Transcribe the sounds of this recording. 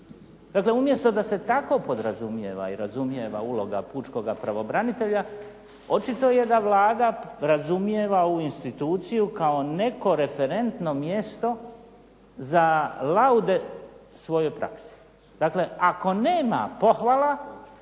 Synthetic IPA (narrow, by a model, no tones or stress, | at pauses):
d̪akle̞umje̞st̪o̞d̪ase̞t̪ako̞po̞d̪ɾazumjeʋa̰iɾazumje̞ʋa̰ulˠo̞ɡapuːt͡ʃko̞ɡapɾaʋo̞bɾanit̪e̞ʎa | o̞t͡ʃit̪o̞jed̪aʋlaːd̪aɾazumje̞ʋauinst̪it̪uːt̪sijukao̞ne̞ko̞ɾe̞fe̞ɾe̞nt̪no̞mje̞st̪o̞ | zalaud̪e̞ | sʋo̞jojpɾa̰ksi̥ | d̪̥akle̞ako̞neːma̰po̞xʋala